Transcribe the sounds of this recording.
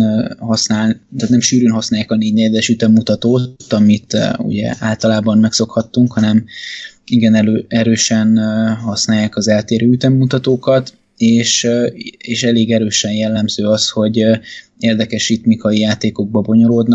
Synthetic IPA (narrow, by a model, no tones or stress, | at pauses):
hɒsnaːlt̪aːt̪nɛmʃyːɾøːnɦɒsnaːjaːkɒneːɟnɛɟɛd̪ɛʃyt̪ɛmːut̪ɒt̪oːt̪ɒmit̪ṵɟɛ̰ʔaːlt̪ɒlaːbɒmmɛkso̞khɒt̪ːuŋkhɒnɛm | iɡɛnɛøɛɾøːʃɛnhɒsnaːjːaːkɒzɛlt̪eːɾøːyt̪ɛmːut̪ɒt̪oːkɒt̪ | eːʃ | eːʃɛleːɡɛɾøːʃɛnjɛlːɛmzøːɒsho̞ɟ | eːrd̪ɛkɛʃit̪mikɒijaːt̪eːko̞ɡ̚bɒbo̞ɲo̞ɾoːd̪nɒ